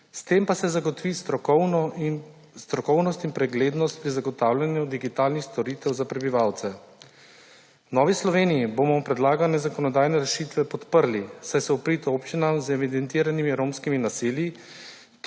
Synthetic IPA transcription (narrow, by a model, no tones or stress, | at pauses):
st̪empasɛzaɡɔt̪ʋist̪ɔ | st̪ɾɔkɔwnɔst̪inpɾɛɡleːd̪nɔst̪̚pɾizaɡɔt̪aːwlʲjanjud̪iɡit̪aːlnixst̪ɔɾiːt̪ɛwzapɾɛbiʋawt̪sɛ | nɔʋislɔʋeːnijiboːmɔpɾɛd̪laːɡanɛzakɔnɔd̪aːjnɛɾɛʃiːt̪ʋɛpɔt̪pəɾlisajsɛupɾit̪oːpt͡ʃinamzɛʋid̪ɛnt̪iːɾanimiɾoːmskiminasiːlji